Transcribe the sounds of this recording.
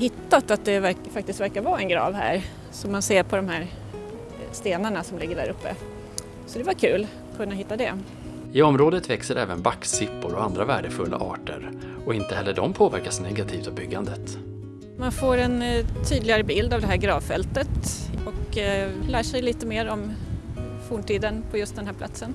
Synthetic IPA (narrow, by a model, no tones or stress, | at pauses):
hɪt̪ːat̪at̪̚d̪ɛvæfak̚t̪ɪst̪væɾkaɾvɑːɛnɡɾɑ̰ːvhæ̰ːɾ | sɔmːanseːɾpʰɔd̪ɔmhæːɾ | st̪eːnaɳasɔmlɪɡːəɖæ̰ːɾɵpːə̰ | sɔd̪ɛvaɾkʰʉ̟ːl | kʰɵnːaɦɪt̪ːad̪ɛ | ɪɔmɾoːd̪ət̪vɛksəɾʔɛ̰ːvənbakːsɪpːʊɾɔand̪ɾavæːɖəfɵlːa̰ʔɑ̰ːʈə̰ɾ | ɔɪnt̪əhɛlːəɖɔmpʰoːvæɾkasnɛɡat̪ʰiːft̪ɔbʏɡːand̪ət̪ | manfoːɾɛnt̪ʰyːd̪lɪɡaɾəbɪld̪avd̪ɛɦæːɾɡɾɑːvfɛ̰lt̪ət̪ɔklæːʂɛjliːt̪əmeːɾɔm | fuːɳʈiːd̪ənpʰɔjɵst̪d̪ɛnɦæːpla̰t̪sən